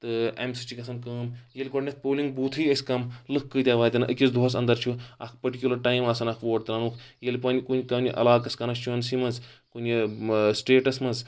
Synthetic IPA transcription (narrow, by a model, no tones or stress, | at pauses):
t̪ɨḛmsit͡ʃikɐsɐnkɐːmjelʲkɔʈnʲɐt̪̚poːliŋɡbuːt̪ʰɨɐsʲkɐmlɨkʰkɨt̪ʲjaːʋaːt̪ʲɐnɐʔɨkʲisd̪ʱoɐs̬ɐ̰nd̪ɐɾt͡ʃʰuɐ̰kʰpɐʈikʲjulɐɾʈaːimɐsɐnɐkʰʋoːʈt̪ɾɐːnuːkʰjelʲpɐnʲikunʲkɐnʲiʔɐ̰laːkɐskɐnɐst͡ʃʰuɐnsimɐnzkunʲjisʈeːʈɐsmɐnz